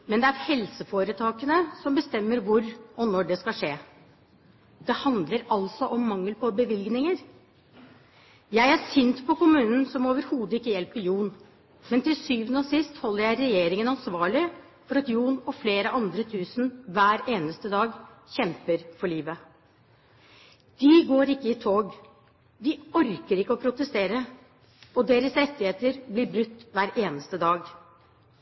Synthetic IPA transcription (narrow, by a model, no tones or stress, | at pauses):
mɛnd̪ɛæɾhɛlsəfoːɾət̪ʰɑːkənəsɔmbəst̪ɛmːəɾʋʊɾɔnɔɖɛskɑlʂeː | d̪̥ɛhɑnd̪ləɾɑlsɔʔɔmːɑŋːəlpɔbəʋɪlɡnɪŋəɾ | jæɪæsʏnt̪pʰɔkʊmʉːnən̩sɔmoːʋəɾhuːd̪əɪkːəjɛlpəɾjuːn | mɛnt̪ɪlsyːʋənəɔsɪst̪hɔlːəɾjæɪɾɛjeːɾɪŋənɑnsʋɑːɭɪ | fɔɾɑt̪juːnɔfleːɾəʔɑnd̪ɾət̪ʰʉːsnʋæːɾeːnəst̪əd̪ɑːɡçɛmpəɾfɔɭiːʋə | d̪̥ɪɡoːɾɪkːəɪt̪ʰoːɡ | d̪ɪɔɾkəɾɪkːəɔpʰɾʊt̪əst̪eːɾə | ɔd̪eːɾəsɾɛt̪ːɪheːt̪əɾblɪɾbɾʉt̪ːʋæːɾʔeːnəst̪əd̪ɑːɡ